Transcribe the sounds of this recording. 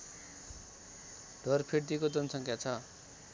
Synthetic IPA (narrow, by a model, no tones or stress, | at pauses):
ɖ̥ʱʌrpʰeɽt̪ikod͡zʌnsʌŋkjat͡sʰʌ